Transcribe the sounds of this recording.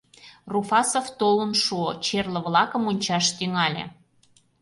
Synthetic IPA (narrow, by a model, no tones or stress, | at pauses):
rufɑsoft̪olənʃuot͡ɕerlə̆βlˠɑkə̆monʲt͡ɕɑʃt̪yŋɑlʲḛ